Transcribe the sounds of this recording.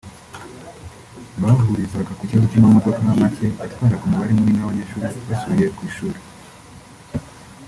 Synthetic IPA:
βaɾuhuɾizaɡakuciβazocamamo̞do̞kanamace̞atkwaːɾaɡumuβaɾimuninaβaɲeːʃuːɾeβasuβije̞kwiːʃuːɾe

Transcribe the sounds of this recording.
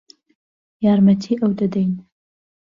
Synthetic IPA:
jɑːɾmɐt̪ʰiːʔɐwd̪ɐd̪ɛjn

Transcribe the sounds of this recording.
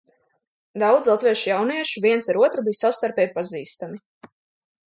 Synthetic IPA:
d̪awd̪zlˠat̪vɛʃjawniɛʃuviɛnsaɾuɔt̪ɾubijsawst̪aɾpɛːjpaziːst̪ami

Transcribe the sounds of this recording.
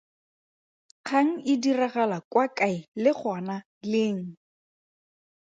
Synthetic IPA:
q͡χʰaŋ̩ʔɪdiraɣalakwakʼaɪlɪk͡xʰana | lɪːŋ̩

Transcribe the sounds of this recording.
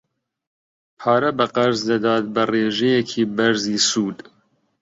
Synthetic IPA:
pʰɑːɾɐbɐqɐɾzd̪ɐd̪ɑːt̪̚bɐreːʒɛjɛkʰiːbɐɾziːsuːd̪

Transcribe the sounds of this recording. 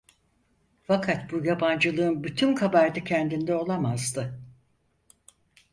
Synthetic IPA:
fakʰat̪̚bujaband͡ʒɯlˠɯɯnbyt̪ʰymkʰabaɾd̪acʰɛnd̪ind̪ɛo̞lˠamazd̪ɯ

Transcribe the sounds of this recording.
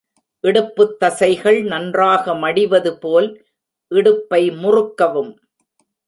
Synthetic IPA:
ʔɪɽɯpːɯt̪ːɐsɐɪɣɐɭnɐndraːɣɐmɐɽɪʋɐðɯpoːl | ʔɪɽɯpːɐɪmʊrʊkːɐʋɯm

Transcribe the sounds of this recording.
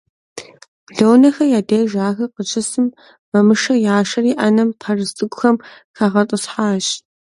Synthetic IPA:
ɮownɐxɐjaːdeːʒaːxɐqət͡ʃʰʼɪsɨm | mɐmɨʂɐjaːʂɐriːʔaːnɐmpʰɐrɨstʼɨɡʷʊxɐm | xaʁɐtʼʊsħaːɕ

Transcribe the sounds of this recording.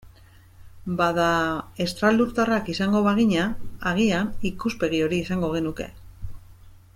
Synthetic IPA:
baðae̞st̪ɾald̪uɾt̪arakisaŋɡo̞βaɣiɲaaɣ̞ianikuspe̞ɣ̞io̞ɾiːsaŋɡo̞ɣe̞nuke̞̰

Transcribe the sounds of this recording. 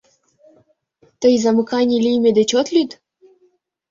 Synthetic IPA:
t̪ɤjzɑmɤ̆kɑnʲilʲijmʲed̪et͡ɕot̪lʲyd̪

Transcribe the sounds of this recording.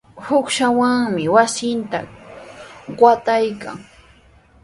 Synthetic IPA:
hʊkʃawaŋmɪwasɪnt̪a | ɢat̪ajka̰ŋ

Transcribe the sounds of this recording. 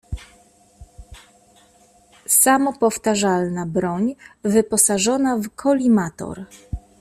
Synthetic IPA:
samɔpɔft̪aʐalnabɾɔɲvɘpɔsaʐɔnavkʰɔlʲimat̪ɔ̰ɾ

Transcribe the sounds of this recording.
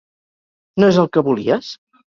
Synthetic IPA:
noezəlˠkəβulḭəs

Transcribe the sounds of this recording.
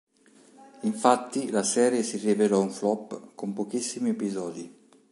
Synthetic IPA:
iɱfat̪ːilasɛːɾjesirivelɔuɱflɔpːkompokisːimiepizɔːd̪i

